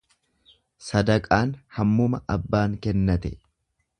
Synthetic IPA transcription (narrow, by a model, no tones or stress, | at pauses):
sɐd̪ɐkʼaːnhɐmːʊmɐʔɐbːaːŋkɛnːɐt̪ɛ